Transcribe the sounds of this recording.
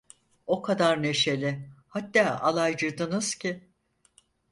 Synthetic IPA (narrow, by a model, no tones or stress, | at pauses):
o̞kʰad̪aɾne̞ʃe̞lʲɪhat̪ːaːʔalˠajd͡ʒɯd̪ɯnɯz̥cɪ